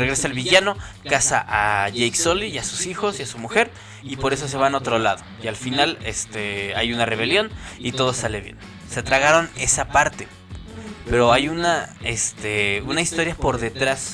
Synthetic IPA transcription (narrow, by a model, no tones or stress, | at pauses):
reɣɾe̞salβiʝano̞kasaʔaʝejksoliasusixo̞siasumuxe̞ɾ | ipo̞ɾe̞s̬o̞s̬e̞β̞ano̞t̪ɾo̞laðo̞ialfinalest̪ea̰junare̞βe̞ljo̞nit̪o̞ð̞o̞sale̞βje̞̰n | set̪ɾaɣaɾo̞ne̞sapaɾt̪e̞ | pe̞ɾo̞ajunaest̪eunasist̪o̞ɾjapo̞ɾðe̞t̪ɾas